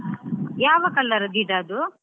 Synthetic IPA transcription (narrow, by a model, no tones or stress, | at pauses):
jaːʋɐkɐlːɐɾɐd̪iɖaːd̪u